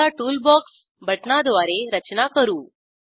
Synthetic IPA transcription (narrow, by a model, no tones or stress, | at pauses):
aʈuːlbɔks | bʱəʈɳad̪ʋaɾeɾət͡ɕnakəɾuː